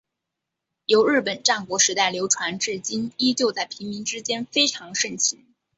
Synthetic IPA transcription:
jo˧˥ʊɻɻ̩˥˩pə˨˩nʈ͡ʂa˥˩nkwɔ˧˥ʂɻ̩˧˥t̪a˥˩ɪljo˧˥ʊʈ͡ʂʰwa˧˥nʈ͡ʂɻ̩˥˩t͡ɕi˥ni˥t͡ɕjo˥˧ʊt͡sa˥˩ɪpʰi˧˥ŋmi˧˥ŋʈ͡ʂɻ̩˥t͡ɕjɛ˥nfe˥ɪʈ͡ʂʰɑ˧˥ŋʂə˥˩nt͡ɕʰi˧˥ŋ

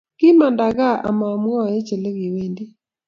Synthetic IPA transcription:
kɪ˦ma˨nda˨ɣa˦ʔa̰˨ma˨mwɔ˦˨e˦t͡ʃe˨le˦ɣi˨we˦ndi˦

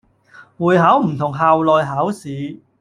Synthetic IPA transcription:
wuː˨˩jɦa˨˥wm̩˨˩t̪ʰʊ˨˩ŋɦaː˨wlɔː˨˧jɦaː˨˥wsiː˨˥

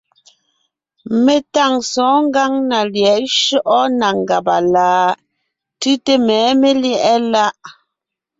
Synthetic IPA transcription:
me˨ta˦˨ŋsɔ̃ː˨˦ŋ˦ɡa˦ŋna˨ljɛ˨ʔʃɔ˦ʔɔ˦na˨ŋ˨ɡa˨pa˨laː˨˦ | tʉ˦te˦mɛː˨˦me˦ljɛ˦ʔɛ˦la˦ʔ

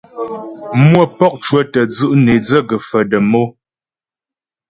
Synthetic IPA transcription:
mwə˦pɔ˦k̚t͡ʃwə˦tə˨d͡zɨ˦˨ʔne˨d͡zə˦ɡə˨fə˨də˨mo˦

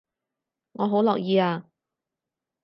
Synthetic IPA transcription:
ŋɔː˨˧ɦo˨˥wlɔː˨k̚jiː˧aː˧

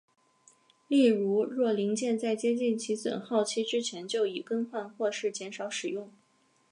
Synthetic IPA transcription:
li˥˩ɻu˧˥ɻwɔ˥˩li˧˥ŋt͡ɕjɛ˥˧nt͡sa˥˩ɪt͡ɕjɛ˥t͡ɕi˥˩nt͡ɕʰi˧˥swə̰˨˩nxɑ˥˩ʊt͡ɕʰi˥ʈ͡ʂɻ̩˥t͡ɕʰjɛ˧˥nt͡ɕjo˥˩ʊi˨˩kə˥nxwa˥˧nxwɔ˥˧ʂɻ̩˥˩t͡ɕjɛ˧˥nʂɑ˨˧˥ʊʂɻ̩˨˩jʊ˥˩ŋ

